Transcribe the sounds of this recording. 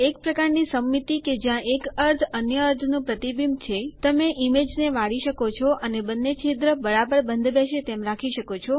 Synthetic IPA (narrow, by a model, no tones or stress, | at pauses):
ek̚pɾəkaɾnisəmːit̪iked͡ʒjãʔekəɾt̪ʰənjəəɾt̪ʰnũpɾət̪ibimt͡ʃʰet̪əmeʔimed͡ʒneʋaɽiʃəkot͡ʃʰɔʔənebənːet͡ʃʰed̪ɾəbəɾabəɾbənd̪ʱbeʃet̪emɾakʰiʃəkot͡ʃʰɔ